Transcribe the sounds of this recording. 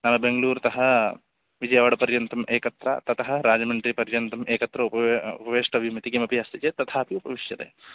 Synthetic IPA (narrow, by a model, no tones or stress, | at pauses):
naʋɐbeŋɡɐluːɾt̪ɐɦɐ | ʋid͡ʒɐjaʋɐɽɐpɐɾjɐnt̪ɐmʔeːkɐt̪ɾɐ̰t̪ɐt̪ɐɦɐ̆ɾaːd͡ʒɐmɐɳʈɐɾipɐɾjɐnt̪ɐmʔeːkɐt̪ɾɐupɐupɐʋeːʂʈɐbʱimɐt̪ikiːmɐpiɐst̪it͡ʃeːt̪ɐt̪ʰaːpiupɐʋiʂjɐt̪ḛː